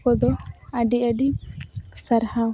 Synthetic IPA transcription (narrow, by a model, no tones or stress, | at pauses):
kɔd̪ɔaɖiaɖi | saɾha